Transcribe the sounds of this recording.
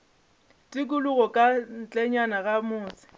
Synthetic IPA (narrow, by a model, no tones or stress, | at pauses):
tʼɪkʼʊlʊɣɔkʼan̩t͡ɬʼɛɲanaɣamʊːsɪ̥